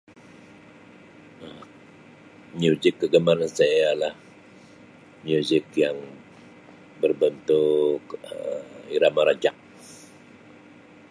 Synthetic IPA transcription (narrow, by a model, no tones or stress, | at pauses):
ə | miuzɪkːəɡəmaɾansajalah | mjuzɪkjaŋ | bərbənt̪uk | iɾamaɾad͡ʒak̚